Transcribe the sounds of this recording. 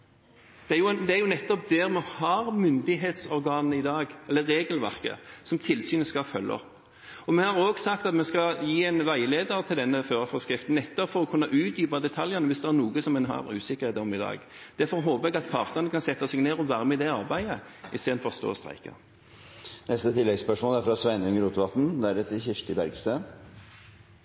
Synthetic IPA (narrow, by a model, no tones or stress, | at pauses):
d̪̥ɛæjʊd̪ɛæɾjʊnɛt̪ːɔp̚d̪ɛɾmɛhɑɾmʏnd̪ɪɦeːt̪sɔʁɡɑːnəɪd̪ɑːɡɛlːəɾːeːɡəlʋæ̰ʁkə̰sɔmt̪ʰɪlsyːnəskɑfœlːʔɔ̰p | ɔmɛhɑʁoːɡsɑkt̪ɑt̪mɛnskɑljiːɛnʋæɪleːd̪əʁt̪ʰɪld̪ɛnːəføːʁəfɔʁskʁɪft̪n̩nɛt̪ːɔpfɔɾɔkʰʉnːɑʔʉːt̪yːpɑd̪ɛt̪ʰɑljənəʋɪsd̪ɛæɾnuːɡəsɔmːɛnɦɑ̰ʁʉ̰ːsɪkəʁheːt̪ːɔmɪd̪ɑ̰ːɡd̪̥æɾfɔɾɦoːpəʁɛɡɑt̪̚pʰɑːʁt̪nəʁənəkʰɑnsɛt̪ːɑsɛɡneːʁɔʋæːʁəmɛd̪ɛɑʁbæɪəɪst̪eːd̪n̩fɔʁst̪o̰ːɔst̪ʁæ̰ɪkə̰ | nɛst̪ət̪ʰɪlːɛɡspœʂmɔːlæɾfɾɑsʋæɪnʉŋəɾuːt̪əʋɑt̪n̩d̪ɛæɾɛt̪çɪʂʈ̪ɪbæɾɡst̪øː